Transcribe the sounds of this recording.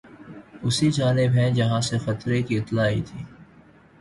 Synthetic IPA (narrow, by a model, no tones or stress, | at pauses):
ʊsid͡ʒaːnɪbɦɛ̃d͡ʒɐɦãsexɐt̪ɾekiɪt̪laːḭt̪ʰiː